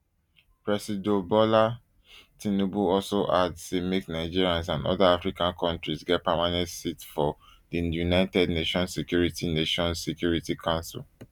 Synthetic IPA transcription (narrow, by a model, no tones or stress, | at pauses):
pɹɛsidobɔla | tĩnobuɔlsoʔadsemiknaɪd͡ʒiɹiãns̬ãnɔ̰daafɹikãnkʰɔ̃ntɹisɡɛt̚pamanɛ̃ntsitfɔdijunaɪtɛdneʃɔ̃nsekjuɹitineʃɔ̃nssekjuɹitikʰãʊ̃nsḭl